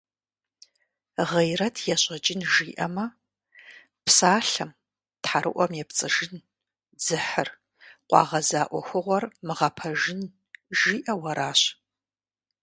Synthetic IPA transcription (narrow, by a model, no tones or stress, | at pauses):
ʁɐjrɐtʰjɛɕʼɐt͡ʃʼɪnʒiːʔɐ̰mɐ | pʰsaːɬɐm | tħaɾʔɨ̰ʔʷɔmjɛpt͡sʼɨʒɪn | d͡zɨħər | qʷʼɑ̰ːʁɐzaːʔʷɔxʷʊʁʷɔrmɨʁɐpʰɐʒɪn | ʒiːʔɐwɐɾaːɕ